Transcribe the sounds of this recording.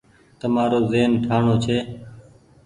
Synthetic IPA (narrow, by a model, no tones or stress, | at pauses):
t̪əmaːɾoːzeːnʈʰaːɳoːt͡ʃʰeː